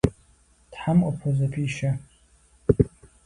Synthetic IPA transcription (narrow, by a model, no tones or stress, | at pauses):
d̥ħamkʷʼapʰozapʰiʃa